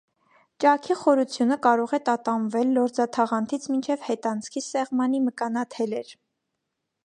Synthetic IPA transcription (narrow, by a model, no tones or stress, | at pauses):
t͡ʃɑkʰiχɔɾut͡sʰjunəkɑɾɔʁɛt̪ɑt̪ɑnvɛlːɔɾd͡zɑt̪ʰɑʁɑnt̪ʰit͡sʰmint͡ʃʰɛvhɛt̪ɑnt͡sʰkʰisɛʁmɑniməkɑnɑt̪ʰɛlɛɾ